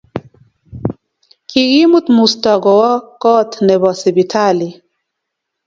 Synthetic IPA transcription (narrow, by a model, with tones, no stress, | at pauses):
ki˨ɣi˦mu˦t̪mu˨stɔ˨ɡɔ˨wɔ˦kɔ˦t̪nɛ˨bɔ˨sɛ˨bi˨tʰa˦li˨